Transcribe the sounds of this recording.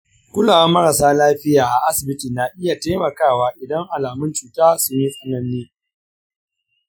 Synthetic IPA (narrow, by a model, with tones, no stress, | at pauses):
kʷʊ˦laː˨wa˦mɐ˦ɾa˨saː˦laː˦ɸɪ˦jaː˨ʔa˨ʔa˦sɪ˨bɪ˦ti˨na˨ʔɪ˦ja˨te˦mɐ˨kaː˦˨waː˦ʔɪ˨dɐ˦ŋʔa˨laː˨mʊ˦nt͡ʃuː˨taː˦sʊ˦ɲi˦sʼʊ˦nɐ˦nːiː˦